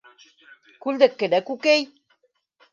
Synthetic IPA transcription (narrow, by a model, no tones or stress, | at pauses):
kuld̪əkːed̪ækukej